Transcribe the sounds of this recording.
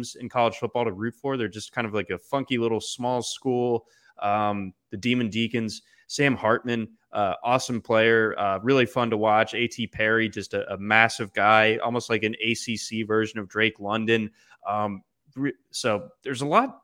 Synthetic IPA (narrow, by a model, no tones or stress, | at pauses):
z̥ɨ̰̃nkʰɑlˠəd̥ʒ̥fʊt̚b̥ɔlˠtəɹʉtfɔɹðə˞d͡ʒʌskʰãɪ̃ndʌvlaɪkɨfʌ̃ŋkilɪɾl̩ˠsmɔlˠskulˠ | ʌ̃mðɨdĩmɨ̃ndikɨ̃nz̥ | sæ̃ɪ̃mhɑɹt̚mɨ̃n | ʔʌʔɔsmpʰl̥eɪə˞ʌɹɪlˠifʌ̃ntəwɑt͡ʃeɪtʰipʰɛɹid͡ʒʌstɨʔəmæsɨvɡaɪʔɔ̰lˠmoʊst̚ˡlaɪkɨ̃neɪsisivɜ˞ʒɨ̃nʌvdɹeɪklʌ̃ndɨ̃n | ʔʌ̃m | ɹɪ | soʊðə˞zəlɔt̚